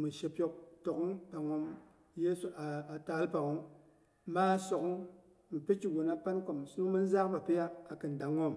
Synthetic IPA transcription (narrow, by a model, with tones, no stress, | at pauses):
mi˨ʃe˨pʲjo˦k̚to˨ku˦ŋpa˨ŋo˦m | je˦so˨ʔa˨a˨ta˨˦lpa˨ŋo˦ŋ | ma˦so˨ku˦ŋ | mi˨pe˦t͡ʃi˨ɡo˨na˦pa˦nko˨m˨su˦u˦ŋ˦mi˦n˦za˦kpa˨pi˦ja˦a˨kɨ˨n˨da˨ŋo˦˨m